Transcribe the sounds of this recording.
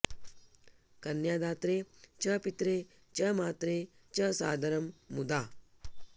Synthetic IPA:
kɐnjaːd̪aːt̪ɾeːt͡ʃɐpit̪ɾeː | t͡ʃɐmaːt̪ɾeːt͡ʃɐsa̰ːd̪ʱɐɾɐmːud̪aː

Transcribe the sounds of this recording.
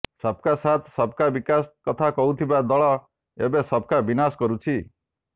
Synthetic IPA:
sɔb̚kasat̪ʰsɔb̚kabikaskɔt̪ʰakɔɦut̪ʰibad̪ɔɭɔ | ḛbesɔb̚ʱkabinaskɔɾut͡ʃʰi

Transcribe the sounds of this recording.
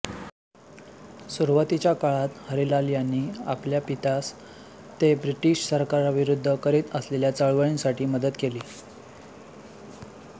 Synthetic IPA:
suɾʋət̪it͡ɕjakaɭat̪həɾilaljanːiːa̰pljapit̪as | t̪ebɾiʈiɕsəɾkaɾaʋiɾud̪ʱːəkəɾiːt̪əsleljat͡səɭʋəɭinsaʈiːməd̪ət̪keliː

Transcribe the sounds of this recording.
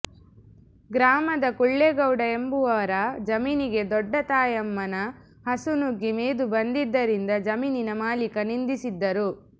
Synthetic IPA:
ɡɾaːmɐd̪ɐkuɭːeɡɐwɽɐe̞mbuʋɐʋɐɾɐd͡ʒɐmiːniɡe̞d̪ɔɖːɐt̪aːjɐmːɐnɐ | ɦɐsunuɡimeːd̪ubɐnd̪id̪ːɐɾind̪ɐd͡ʒɐmiːninɐmaːlikɐnind̪isid̪ːɐɾu

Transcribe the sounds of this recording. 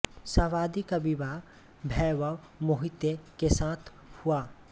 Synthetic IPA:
sɐʋaːd̪ikabibaː | bʱɛʋa | mʊɦit̪jekesaːt̪ʰ | huaː

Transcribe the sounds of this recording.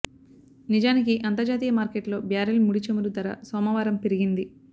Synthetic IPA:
nid͡ʒaːnikiʔɐnt̪ɐɾd͡ʒaːt̪iːjɐmaːɾkeʈlo̞ːbjaːɾɐlmuɽit͡ʃɐmuɾud̪ɐɾɐ̰sɔːmɐʋaːɾɐmpeɾiɡind̪i

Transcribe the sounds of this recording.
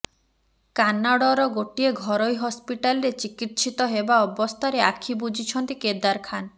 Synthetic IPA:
kanːaɽɔɾɔɡoʈieɡʱɔɾojɦɔspiʈalɾet͡ʃikit̪ʃit̪ɔɦebaɔbɔst̪ʰaɾeakʰibud͡ʒʱit͡ʃʰɔnt̪iked̪aɾkʰan

